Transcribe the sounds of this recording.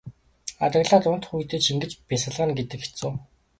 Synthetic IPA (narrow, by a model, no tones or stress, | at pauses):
a̰t̪ə̆ɣɮaːt̪ʊn̥t̪χujt̪eːt͡ɕiŋɡɘ̆t͡ɕpisə̆ɮʁə̆nɡet̪ɘ̆ke̥t͡sʊː